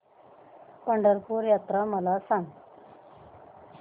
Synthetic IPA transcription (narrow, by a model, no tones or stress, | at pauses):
kəɳɖəɾpuɾjat̪ɾaməlasãŋɡ